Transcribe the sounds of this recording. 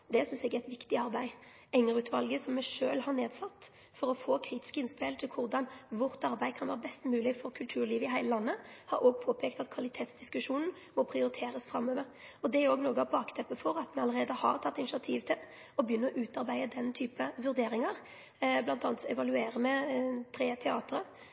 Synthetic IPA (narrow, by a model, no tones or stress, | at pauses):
d̪ɛsʏnsɛɡɛt̪ʋɪkt̪ɪɑɾbæɪ | ɛŋəʁʉːt̪ʰʋɑlɡəsɔmːɛʂøːlhɑʁneːd̪sɑt̪ː | fɔɾɔfoːkʰɾiːt̪ɪ̥skɪnspɪlt̪ʰɪlkʰʊʁd̪ɑnʋʊʁt̪ɑɾbæɪkʰɑnʋæːɾəbɛst̪mʉːlɪfɔɾkʰʉlt̪ʰʉːʁliːʋəɪɦæɪləlɑnːəhɑɾʔoːɡpʰoːpʰɛːkt̪ɑt̪kʰʋɑlɪt̪ʰeːt̪sd̪̥ɪskʉʂuːnn̩ | mɔpʰɾɪʊɾɪt̪ʰeːɾəsfɾɑmːøːʋəɾɔd̪ɛæɾoːɡnoːɡəɑʋbɑɑkt̪ʰɛpːəfɔɾɑt̪mɛɑləʁeːd̪əhɑ̰ʁt̪ʰɑt̪ːɪnɪʂɪɑt̪ʰiːʋt̪ʰɪl | ɔbjʏnːəɔʔʉːt̪ɑɾbæɪəd̪ɛnt̪ʰyːpəʋʉɾd̪eːɾɪŋɑʁ | blɑnt̪ɑːnt̪sɛʋɑlʉeːɾəmɛt̪ʰɾeːt̪ʰɛɑːt̪ɾə